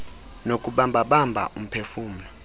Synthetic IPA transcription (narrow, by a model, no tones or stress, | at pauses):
nokʼuɓambʱaɓambʱa̰ʔum̩pʰefuːm̩nɔ